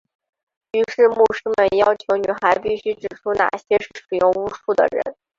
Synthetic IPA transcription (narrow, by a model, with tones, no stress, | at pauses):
y˧˥ʂɻ̩˥˧mu˥˩ʂɻ̩˥mə˨njɑ˥ʊt͡ɕʰjo˧˥ʊny̰˨˩xa˧˥ɪpi˥˩ɕy˥ʈ͡ʂɻ̩˨˩ʈ͡ʂʰu˥na̰˨˩ɕjɛ˥ʂɻ̩˥˩ʂɻ̩˨˩jʊ˥˩˧ŋu˥ʂu˥˩d̪ə̰˩ɻə̰˧˥n